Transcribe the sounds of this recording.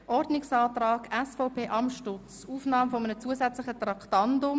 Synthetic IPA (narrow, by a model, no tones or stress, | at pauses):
ʔɔɾdnɪksɑːtrɑːɡɛsfɔʊpʰeːʔɑmʃtʊt͡suːfnɑːmfomənət͡suəzɛt͡slɪχət̪rɑktɑndʊm